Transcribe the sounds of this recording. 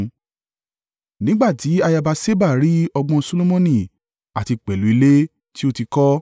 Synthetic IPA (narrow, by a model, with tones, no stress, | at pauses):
nĩ˦ɡ͡ba˦˨ti˨˦a˧ja˧ba˧se˦ba˦˨ɾi˨˦ɔ˧ɡ͡bɔ̃˧so˧lo˦mõ˧nĩ˦˨ | a˨ti˧k͡pɛ˨lu˨˦i˧le˦ | ti˦o˦˨ti˧kɔ˦